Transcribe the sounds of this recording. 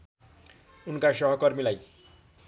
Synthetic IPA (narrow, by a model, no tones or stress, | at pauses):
unkasʌɦʌkʌɾmilaj